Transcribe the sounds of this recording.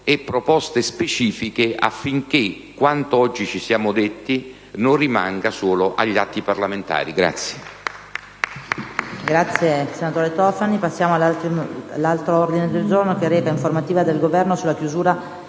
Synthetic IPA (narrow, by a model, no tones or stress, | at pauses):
ɛpːɾopɔst̪espet͡ʃiːfikeʔa̰fːiŋkekːwant̪oɔd͡ʒːit͡ʃisjaːmod̪et̪ːi | norːima̰ŋɡasoːloʔa̰ʎːat̪ːiparlament̪a̰ːɾiɡɾa̰t̪sːje̥ | ɡɾat̪sːjesenat̪oːɾet̪ɔfanipasːjaːmoal | lːalt̪ɾoord̪ined̪eld͡ʒornokeɾɛːvaiɱformat̪iːvad̪elɡovɛrnosulːakjuzuːɾa